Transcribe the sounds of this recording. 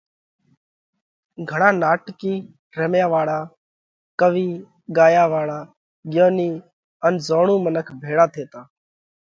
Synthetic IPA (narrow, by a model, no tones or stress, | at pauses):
ɡʱəɳaːnaːʈkiː | ɾeːmjaːʋaːɭaː | kəʋiː | ɠaːjaːʋaːɭaː | ɠɪjoːniː | ənzoːɳũːmənəkʰbʱeːɽaːt̪ʰeːt̪aː